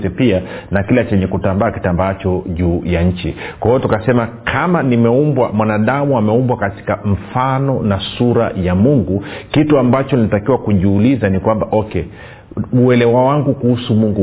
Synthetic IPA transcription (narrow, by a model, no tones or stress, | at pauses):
ɛpianakilat͡ʃɛɲɛkutambaːki̥tambaːt͡ʃɔʄuːjaɲ̩t͡ʃḭkwahɔɔtukasɛmakʰamanimɛumbwa̰mwanaɗamuamɛumbwakati̥kaɱ̩fanɔnasuɾa̰jamuŋɡukituambat͡ʃɔnilitakiwakuʄuːlizanikwambaʔɔkɛ | uɛlɛwawaŋɡukuhusumuŋɡu